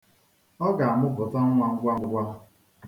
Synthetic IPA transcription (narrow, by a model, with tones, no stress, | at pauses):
ɔ˦ɡa˨a˨mʊ˦ɡʊ˨tɔ˦ŋ̩˦ŋʷa˨ŋ̩˦ɡʷa˦ʊ˦ɡʷa˦